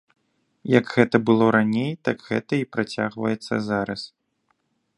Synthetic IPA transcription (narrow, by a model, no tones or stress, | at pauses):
jɐɡɣɛt̪ɐbɨlˠɔɾanʲejt̪aɡɣɛt̪ɐipɾat͡sʲa̰ɣvɐjɛt̪sːɐ̰zaɾɐs